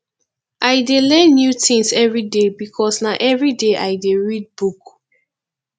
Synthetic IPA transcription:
ʔaɪdelɛ̃nːjutʰĩŋsɛvɹidebikʰɔsnaʔɛvɹideʔaɪdeɹid̚buk

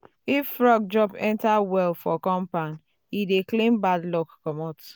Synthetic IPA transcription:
ifɹɔɡ̚d͡ʒɹɔpɛ̃ntawɛlfɔkɔ̃mpãn | ideklẽmbadlɔkːɔmɔt

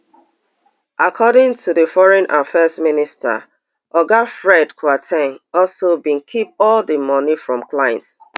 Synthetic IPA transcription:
ʔakʰɔɾɪ̃ŋtʰudəfɔɹɛ̃nʔafɛsministə̰ | ʔɔɡafɹɛdkʰwatʰɛ̃nɔlsobĩnkʰip̚ɔldəmɔnifɹɔ̃mklajɛ̰̃nts

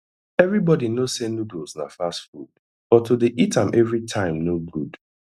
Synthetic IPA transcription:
ɛvɹibɔdinozsenudozna̰fastfṵd̥ | bɔtodeʔitãmʔɛvɹitʰãɪ̃mnoɡud̥

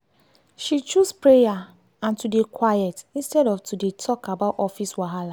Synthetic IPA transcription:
ʃit͡ʃuspɹeja | ãntudekʰwajɛtĩnstɛɾɔftudetʰɔkabaʊtɔfiswaɦala

